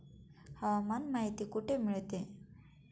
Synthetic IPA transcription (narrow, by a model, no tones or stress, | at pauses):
həʋamanmaɦit̪iːkuʈʰemiɭt̪e